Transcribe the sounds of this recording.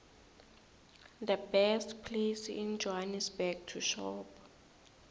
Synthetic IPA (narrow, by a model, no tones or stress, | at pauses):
d̪əbɛstpʰlesind͡ʒɔɦanisbɛk̚tʰuʃɔp